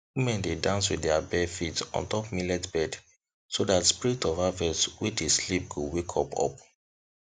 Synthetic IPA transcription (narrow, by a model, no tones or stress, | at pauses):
wimɛ̃ndedãns̬wiðdɛabɛfitɔ̰̃ntɔpmilɛtbɛd | sodatspiɹitɔvavɛswideslip̚ɡowekʰɔpʰɔ̰p